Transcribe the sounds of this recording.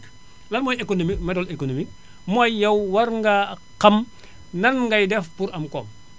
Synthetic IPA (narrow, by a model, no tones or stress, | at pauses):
lɐnmojekonomimɛdɔlekonomik | mojjɐwwɐɾŋɡa | qɐm | nɐnŋɡɐjdɛfpuɾʔɐmkoːm